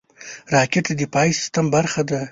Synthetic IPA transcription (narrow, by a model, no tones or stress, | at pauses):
ɾɑkʲeʈ̪ad̪ipɑjsɪ̥st̪ambaɾxad̪a